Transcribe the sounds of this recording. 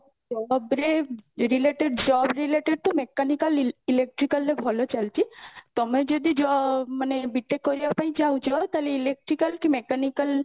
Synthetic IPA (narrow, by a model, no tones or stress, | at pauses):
d͡ʒɔbɾeɾileʈeɖd͡ʒɔbɾileʈeɖ̚t̪ɔmekanikəlilek̚ʈɾikəlːebʱɔlot͡ʃalt͡ʃʰit̪ɔmẽd͡ʒɔd̪id͡ʒɔmənebiʈːekːɔɾijapaĩt͡ʃaw̃t͡ʃʰɔt̪aleilek̚ʈɾikəlkimekanikəl